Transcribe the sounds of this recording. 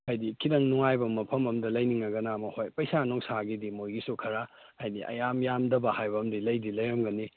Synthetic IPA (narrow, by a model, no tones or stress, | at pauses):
hajdikʰidɐŋnuŋajbɐmɐpʰɐmɐmdɐlɐjniŋnɐɡɐnamɐhojpɐjsanoŋsaɡidimojɡisukʰɐɾa | hajnḭʔɐ̰jamjamdɐbɐhajbɐmdilɐjdilɐjɾɐmɡɐni